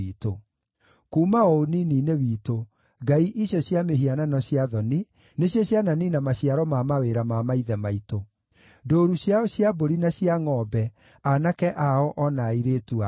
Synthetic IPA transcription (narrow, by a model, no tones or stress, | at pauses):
ito | kuːmaɔonininewiːto | ɡaiʔiɕjɔɕjameɦiananɔɕjaðɔni | neɕjɔɕjananinamaɕiaɾɔmamaweɾamamaiðɛmaito | doːɾuɕjaɔɕjaboɾinaɕiaŋɔbɛ | anakɛʔaɔʔɔnaiɾeːtua